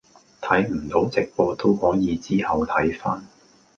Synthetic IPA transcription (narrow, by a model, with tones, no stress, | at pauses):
t̪ʰɐ˨˥jm̩˨˩t̪o˨˥wt͡sɪ˨k̚pɔː˧t̪o˥whɔː˨˥jiː˨˧t͡siː˥hɐ˨˧wt̪ʰɐ˨˥jfaː˥n